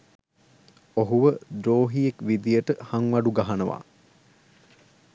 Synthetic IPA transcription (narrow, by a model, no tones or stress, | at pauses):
oɦuʋəd̪ɾoːɦijekʋid̪ijəʈəhaŋʋɐɖuɡɐɦanəʋa̰